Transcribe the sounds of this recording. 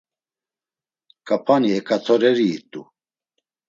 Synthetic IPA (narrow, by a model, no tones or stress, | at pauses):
kʼapʰaniɛkʼat̪ʰɔɾɛɾiːt̪ʼṵ